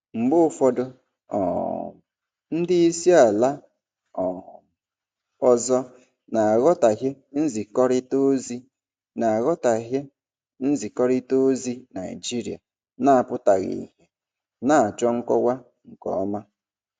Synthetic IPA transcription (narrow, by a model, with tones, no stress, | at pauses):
ŋ͡m̩˨ɡ͡bʊ˦˨fɔ˦dʊ˦ | ɔ̰˨ | n̩˦dɪ˦i˦si˦a˨la˦ | ɔ˨ | ɔ˦zɔ˦ | na˨a˨ɣɔ˦ta˨ɦe˦ | n̩˦zi˨kɔ˦ɾɪ˦to˦zi˦ | na˨a˨ɣɔ˦ta˨ɦe˦ | n̩˦zi˨kɔ˦ɾɪ˦to˦zi˦na˨i˨d͡ʒi˦ɾi˨a̰˨ | na˦a˨pʊ˦ta˨ɣḭ˨ɦe˨ | na˦˨a˨t͡ʃɔ˦ŋ̩˦kɔ˦wʷa˦ | ŋ̩˨kɔ̰˨˦ma˦